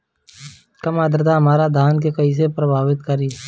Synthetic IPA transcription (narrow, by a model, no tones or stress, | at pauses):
kɐmaːd̪əɾd̪aɦɐmaːɾad̪ʱaːnk̬ekɐis̬epɾəbʱaːwɪt̪kəɾiː